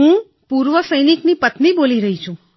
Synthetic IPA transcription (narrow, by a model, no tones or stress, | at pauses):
ɦũ | puɾʋəsəjniknipət̪niboliɾəɦit͡ʃʰũ